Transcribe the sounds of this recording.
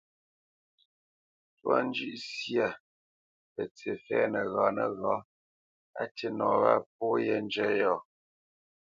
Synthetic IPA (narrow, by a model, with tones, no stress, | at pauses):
twa̰˦n˦d͡ʒʉ˦ʔsja˨ | pə˨t͡se˨fɛː˦nə˨ɣaː˨˦nə˨ɣa˨˦ | a˦te˦nɔ˨βa˦˨p̚ɔ˦jɛ˦n˦d͡ʒɛ˦jɔ˨